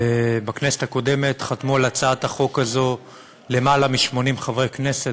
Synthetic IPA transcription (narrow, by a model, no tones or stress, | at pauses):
ebaknese̞̥t̪ako̞de̞me̞t̪χat̪mualat͡saataχo̞kazo̞ | le̞malamiʃmo̞nimχavʁekne̞se̞t